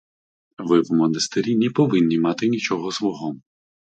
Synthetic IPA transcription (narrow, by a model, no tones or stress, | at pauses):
ʋɪwmɔnɐst̪eɾʲinʲɛpɔʋɪnʲːimɑt̪ɪnʲit͡ʃɔɦɔzʋɔɦɔm